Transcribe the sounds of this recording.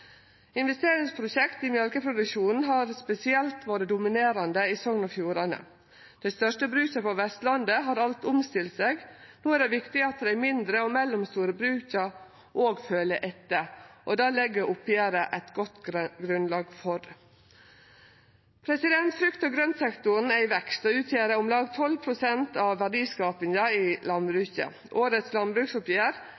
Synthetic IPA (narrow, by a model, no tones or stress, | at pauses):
ɪnʋɛst̪eːɾɪŋspʰɾʊʃɛkt̪iːmjœlkəpʰɾʊd̪ʉkʃuːnn̩ɦɑːɾspɛsɪɛlt̪ʋoːɾəd̪ʊmɪneːɾɑnd̪əiːsɔŋnəfjuːɾɑnə̰ | d̪̥æɪst̪œʂʈəbɾʉːçəpɔʋɛst̪lɑnd̪əɦɑːɾɑlt̪ʊmst̪ɪlseːɡnuːæɾɖɛʋɪkt̪ɪɑt̪d̪ɛæmɪnd̪ɾəoːmɛlːʊmst̪uːɾəbɾʉːçəɾ | ʔoːɡføːləʔɛt̪ːəʔɔd̪ɑːlɛɡːəɾʔʊpːjeːɾəʔæt̪ɡɔt̪ːɡɾʉnlɑːɡfɔɾ | pʰɾɛsɪd̪ɛnt̪fɾʏkt̪əɡɾœnsɛkt̪ʊn̩æɪʋɛkst̪ɔʉːt̪ʰjeːɾəʊmlɑːɡt̪ʰɔlpʰɾʊsɛnt̪ɑʋʋæɖiːskɑːpɪŋəɪlɑnbɾʉːçə̰ | ʔoːɾət̪slɑnbɾʉksʊpjeːɾ